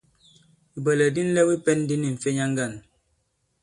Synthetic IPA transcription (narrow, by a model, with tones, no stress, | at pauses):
i˨bə˨lɛ˨di˦n̩˦lɛ˦wi˦pɛ˦n˦di˦ni˨ɱ̩˨fe˦ɲa˦ŋ˦ɡa˦˨n